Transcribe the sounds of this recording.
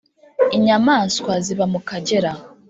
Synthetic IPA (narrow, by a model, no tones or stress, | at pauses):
iɲamaːskwaziβamukaɟe̞ɾa